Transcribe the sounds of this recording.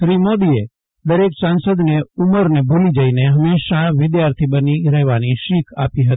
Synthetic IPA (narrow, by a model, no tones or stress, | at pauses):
ʃɾimod̪ie | d̪əɾeksansəd̪neuməɾnebʱulid͡ʒəineɦəmeʃaʋɪd̪jaɾt̪ʰibəniɾəɦʋaniʃikʰa̰piɦət̪i̥